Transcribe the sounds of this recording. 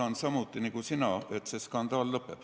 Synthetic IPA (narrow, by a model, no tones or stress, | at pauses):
ɑnsɑmut̪ːˑinikusinɑe̞t̪se̞skɑnd̪̥ɑːlːɤpːḛb̥